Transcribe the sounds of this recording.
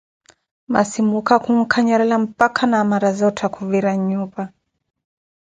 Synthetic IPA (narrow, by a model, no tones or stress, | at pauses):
ma̰simukakuŋ̩kʰaɲaɾɛlam̩pakʰanaːmaɾazɔtʰɛkuviɾaɲupa